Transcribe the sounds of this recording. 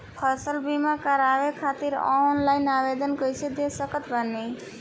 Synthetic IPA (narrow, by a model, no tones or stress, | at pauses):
pʰəsəlbimakəɾabekʰat̪iɾɔ̰nlaɪnabed̪ənkəjt͡ʃʰed̪esəkət̪bənːe